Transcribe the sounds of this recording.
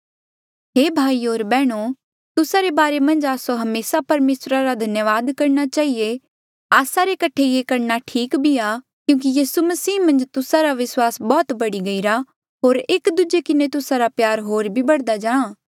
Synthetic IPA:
ɦeːbʱaːiɦoːɾbɛːɽ̃o | t̪ʊsaɾebaːɾemɐ̃nd͡ʒaːsoɦɐmeːsapɐɾmeːsɾaɾad̪ʱɐnjəʋaːd̪kɐɾñat͡ʃaːɦie | aːsaɾekɐʈʰejekɐɾnaʈʰiːkbʱia | kjũːk̬ijiːsumɐsiːmɐ̃nd͡ʒt̪ʊsaɾaʋɪswaːsbɔːt̪bɐɽiɡɐiɾa | ɦoːɾeːkd̪ʊd͡ʒekɪnet̪ʊsaɾapjaːɾɦoːɾbʱibɐɽd̪ad͡ʒãːãː

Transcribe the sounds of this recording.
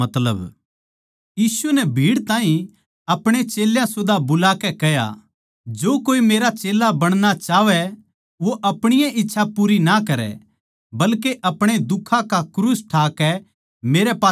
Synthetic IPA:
ɐt̪ləb | jiːsunɛbʱiːɽt̪ãːɦĩ | ɐpɽ̃et͡ʃeːljãsʊd̪ʱabʊlaːkɛkɛja̰ | d͡ʒoːkoːimeːɾat͡ʃeːlabɐɽ̃nat͡ʃaːʋɛ | ʋoʔɐpɽ̃ɪjãʔɪtːʃʰapuːɾinakɐɾɛ̰ | bɐlkeʔɐpɽ̃ed̪ʊkʰãkakɾuːsʈʰaːkɛ | meːɾɛpaː

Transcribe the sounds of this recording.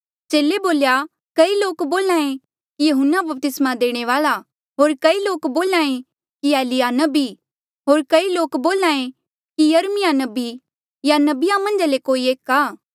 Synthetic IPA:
t͡ʃeːleboːlja | kɐiloːkboːlãːẽ | kijɐɦʊnːabɐp̚t̪ɪsmad̪eːɽ̃eʋaːla | ɦoːɾkɐiloːkboːlãːẽ | kiɛːlɪjanɐbi | ɦoːɾkɐiloːkboːlãːẽ | kijɐɾmɪjanɐbi | janɐbɪjamɐ̃nd͡ʒalekoːieːkaː

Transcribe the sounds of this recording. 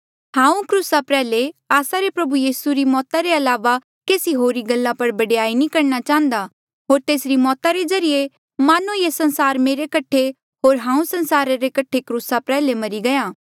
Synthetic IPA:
hãːũkɾuːsapɾɛːleaːsaɾepɾɐbujiːsuɾimɔːt̪aɾeɐlaːʋa | keːsiɦoːɾiɡɐlːãpɐɾbɐɽeaːinikɐɾnat͡ʃãːɦə̃nd̪a | ɦoːɾt̪eːsɾimɔːt̪aɾed͡ʒɐɾije | maːnujesɐ̃nsaːɾmeːɾekɐʈʰe | ɦoːɾɦãːũsɐ̃nsaːɾaɾekɐʈʰːekɾuːsapɾɛːlemɐɾiɡɐjãː

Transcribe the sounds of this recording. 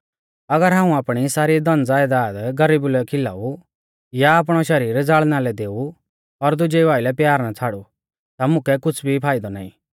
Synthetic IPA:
ɐɡəɾɦãːũaːpɽ̃isaːɾid̪ɐnd͡zaːjd̪aːd̪ɡɐɾiːbʊlɛkʰɪla̰ːu | jaːp̬ɽ̃ɔʃɐɾiːɾd͡zaːɭnalɛd̪eːu | ɔɾd̪ʊd͡ʒɛʋaːɪlɛpjaːɾnat͡sʰaːɽu | t̪amʊ̃kɛkʊt͡sʰbʱipʰaːɪd̪ɔna̰ːḭ̃

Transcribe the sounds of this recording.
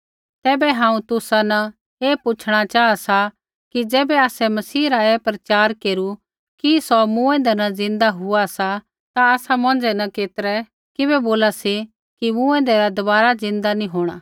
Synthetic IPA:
t̪ɛːbɛɦãːũt̪ʊsanɐ | eːpʊt͡ʃʰɽ̃at͡ʃaːasa | kid͡ʒɛːbɛaːsɛmɐsiːɾaepɾɐt͡ʃaːɾkeːɾu | kisɔmũɛ̃nd̪ɛnɐd͡zɪ̃nd̪aɦʊasa | t̪aaːsamɐ̃n̆d͡ʒɛnɐkeːt̪əɾɛ | kɪbɛboːlasi | kimũːɛ̃ːnd̪ɛɾad̪ɐbaːɾad͡zɪ̃nd̪anĩɦoːɽ̃aː

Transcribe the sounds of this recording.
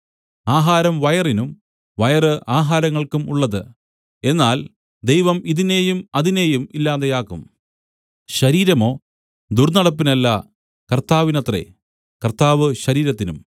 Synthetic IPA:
aːɦaːɾɐmʋɐjɐrinum | ʋɐjɐrɨʔaːɦaːɾɐŋːɐɭkumuɭːɐðɨ | e̞nːaːl | d̪ejʋɐmiðine̞jumɐðine̞jumilːaːðejaːkːum | ɕɐɾiːɾɐmo̞ː | d̪urnɐɽɐp̬ːinɐlːɐ | kɐrt̪aːʋinɐt̪rḛ | kɐrt̪ːaːʋɨɕɐɾiːɾɐt̪ːinum

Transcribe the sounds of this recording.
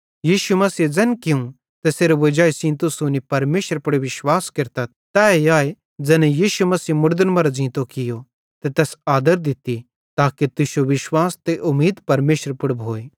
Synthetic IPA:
jiːʃumɐsid͡zɐ̃nkɪũ | t̪eseːɾʋɐd͡ʒaːisĩːnt̪ʊsũnipɐɾmeːʃəɾpɐɽeʋɪʃwaːskɪɾt̪a | t̪ɛːeaːe | d͡zɛnɛjiːʃumɐsiːmʊɾd̪ənmɐɾd͡ʒĩːt̪okɪjo | t̪et̪ɛːsaːd̪əɾd̪ɪt̪i | t̪aːkit̪ʊsjoʋɪʃwaːst̪eʔʊmːiːd̪pɐɾmeːʃəɾpʊɽbʱoːeː

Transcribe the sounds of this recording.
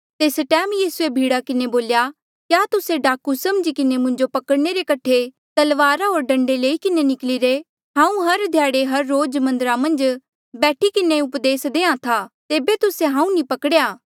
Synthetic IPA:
t̪eːsʈɛːmjiːsuebʱiːɽakɪneboːlja | kjaːt̪ʊseɖaːkusɐmd͡ʒikɪnemʊ̃ɲd͡ʒopɐkəɽneɾekɐʈʰe | t̪ɐlʋaːɾaɦoːɾɖɐ̃ɳɖeleːikɪnenɪkliɾe | ɦãːũɦɐɾd̪ʱjaːɽeɦɐɾːoːd͡ʒmɐ̃nd̪əɾamɐ̃nd͡ʒ | bɛːʈʰikɪneʊpd̪eːsd̪ẽːãt̪ʰaːt̪eːbet̪ʊseɦãːũnĩpɐkəɽejaː

